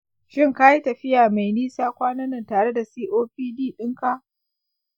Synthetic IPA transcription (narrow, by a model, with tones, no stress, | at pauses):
ʃɪ˦˨ŋka˦ji˦tɐ˨ɸɪ˦jaː˨ma˨jniː˦saː˦kʷaː˦nɐ˦nɐ˨ntaː˨ɽe˦da˨siː˦ʔoː˦ɸiː˦diː˦˨ɗɪ˦ŋka˦ʔ